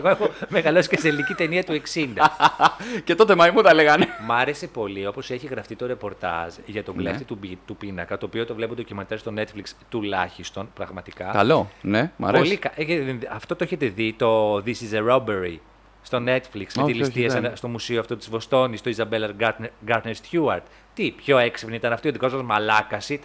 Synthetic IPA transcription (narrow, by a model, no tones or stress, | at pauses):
eɣoexome̞ɣɐlosi̥ceselinicit̪e̞niɐt̪ue̞ksind̪ɐ | cet̪ot̪emɐimuθɐleɣɐnemɐɾe̞sepo̞lio̞po̞seçiɣɾɐft̪it̪o̞ɾe̞po̞ɾt̪ɐ̰zʝɐt̪o̞bleft̪it̪ubit̪upinɐkɐt̪o̞ːpio̞t̪o̞vlepund̪ocimɐnt̪ɐzst̪o̞ne̞t̪flikst̪ulɐçist̪o̞npɾɐɣmɐt̪ikɐkɐlonemɐ̰ɾpolikɐeʝɐt̪iðenɐft̪o̞t̪oeçet̪e̞ðit̪o̞ðisizeɾo̞beɾi | st̪o̞ne̞t̪fliksmet̪ilist̪iɐsenst̪o̞musioɐft̪o̞t̪i̥zvo̞st̪o̞nist̪o̞izɐbelɐɾɡɐnɡɐɾt̪nest̪çuɐɾt̪ | t̪ipço̞eksipniit̪ɐnɐft̪io̞ðiko̞zmɐzmɐlɐkɐsi